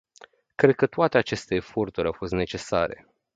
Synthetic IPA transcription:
kɾe̞d̪̚kət̪oat̪e̞at͡ʃe̞st̪e̞ːfo̞rt̪uɾʲawfo̞st̪ne̞t͡ʃe̞sa̰ɾe̞̰

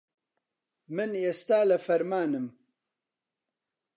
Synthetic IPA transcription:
mɨnest̪aːlɐfɐɾmaːnɨm

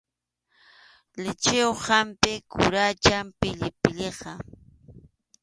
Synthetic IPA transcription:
lɪt͡ʃɪwhampɪkʊɾat͡ʃampɪʎɪpɪʎeqɑ

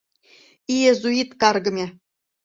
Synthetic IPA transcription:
ijezuit̪kɑrɡɤ̆mʲe

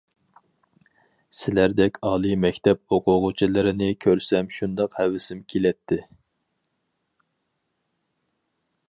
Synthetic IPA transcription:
sɪlæɾd̪ɛkʲʰɑːlˠɨmɛkʲt̪ʰɛp̚oqʰʊʁʊt͡ʃʰilˠɨɾɪnɪkʲʰøɾsɛmʃund̪ɑqhɛwɪsɪmkʲʰelɛt̪ʰːɪ

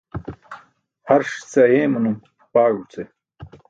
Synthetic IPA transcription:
hɐɾʂt͡sɐjẽːmunum | paːɻut͡se

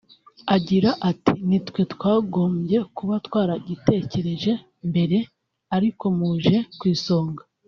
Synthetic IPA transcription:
aɟiɾaʔatinitwe̞twaːɡo̞ːmbje̞kuβatwaːɾaɟite̞ːce̞ɾe̞ʒe̞ | mbe̞ɾe̞ | aɾiko̞muːʒe̞kwiːso̞ːŋɡa

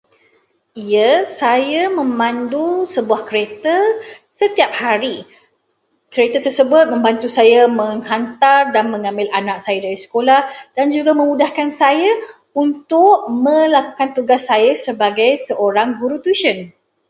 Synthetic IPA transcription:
iasajamə̃mãndusəbuahkɾet̪əsət̪iap̚haɾi | kəɾet̪ət̪ərsəbʊt̪̚mə̃mbant̪usajamə̃ŋhant̪ardanmə̃ŋãmbɪlanãk̚sajadaɾisə̥kolahdand͡ʒuɡamə̃mudahkansaja | unt̪ʊʔ̚mə̃lakukant̪uɡasːajasəbaɡajsəʔoɾaŋɡuɾut̪uʃən

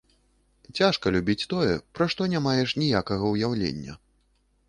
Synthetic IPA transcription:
t͡sʲaʂkɐlʲubʲit͡sʲt̪ɔjɛpɾaʂt̪ɔnʲamajɛʂnʲijakɐɣɐwjawlʲḛnʲːɐ̰

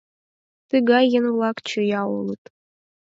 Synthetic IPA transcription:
t̪ɨɣɑjənvlˠɑkt͡ɕə̆jɑo̰lˠət̪

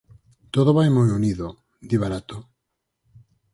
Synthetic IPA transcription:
t̪oðoβajmojoniðo | d̪iβaɾat̪o

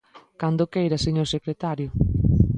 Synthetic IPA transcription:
kand̪okejɾaseɲoɾsekɾet̪aɾjʊ

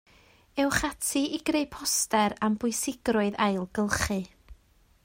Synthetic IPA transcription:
ɛwχatʰiiɡɾejpʰɔstɛɾambʊɨsɪɡrʊɨðajlˠɡəlˠχɨ

